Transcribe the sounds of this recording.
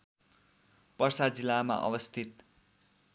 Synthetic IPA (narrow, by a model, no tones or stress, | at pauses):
pʌrsad͡zilːama̰ʔʌ̰bʌst̪ʰit̪